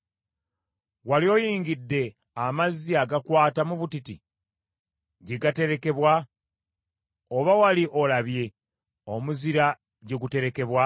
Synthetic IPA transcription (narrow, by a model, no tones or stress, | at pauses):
waljo̞jiːɲɟidːe̞ | amazːiaɡakwaːtamuβutiti | ɟeɡate̞ɾe̞ke̞βwa | oβawaliʔo̞laβje̞ | omuziɾa | ɟeɡute̞ɾe̞ke̞βwa